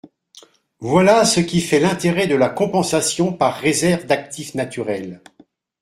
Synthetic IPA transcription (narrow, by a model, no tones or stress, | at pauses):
vwalasəkʲifɛlɛ̃t̪eʁɛd̪əlakɔ̃pɑ̃sasjɔ̃paʁːezɛʁvd̪ak̚t̪ifnat̪yʁɛl